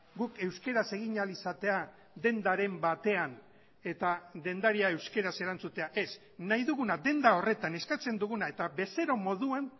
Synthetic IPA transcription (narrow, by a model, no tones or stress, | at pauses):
ɡuke̞wske̞ɾase̞ɣiɲalisat̪e̞a | ðe̞nd̪aɾe̞mbat̪e̞an | e̞t̪aðe̞nd̪aɾiae̞wske̞ɾase̞ɾant͡sut̪e̞aʔe̞s | najðuɣunad̪e̞nd̪ao̞re̞t̪ane̞skat͡se̞nd̪uɣunae̞t̪aβe̞se̞ɾo̞mo̞ðuan